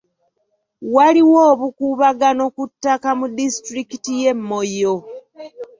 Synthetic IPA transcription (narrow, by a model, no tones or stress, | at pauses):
waliwoːβukuβaɡano̞kutːakamudistɾikitije̞mːo̞jo